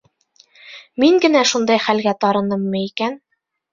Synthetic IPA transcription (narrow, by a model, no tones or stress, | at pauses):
miŋɡɘ̆næʃund̪ɑjχælɡæt̪ɑɾɤ̆nɤmːɤikæn